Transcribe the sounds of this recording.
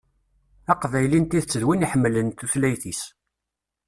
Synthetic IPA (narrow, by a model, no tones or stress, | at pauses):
æqvæjlint̪iθt͡sːəðwiniħəmːlənt̪uθlæjθis